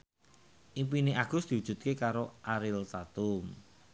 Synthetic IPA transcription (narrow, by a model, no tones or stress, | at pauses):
ʔimp̬ineʔaɡ̥ʊ̤sd̪̥i̤wu̥ʒ̥ṳt̪̚kekaɾoʔaɾɪlsat̪ʊm